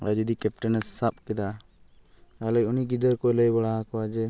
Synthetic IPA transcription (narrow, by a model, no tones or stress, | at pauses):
ad͡ʒud̪ikɛp̚ʈanɛsːap̚kɛd̪a | alɔjuniɡid̪əɾkɔɛləjbaɽaɦakɔwad͡ʒɛ